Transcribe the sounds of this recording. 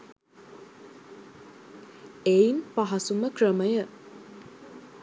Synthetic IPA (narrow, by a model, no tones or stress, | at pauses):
ejnpɐɦɐsumɐkɾɐmɐjɐ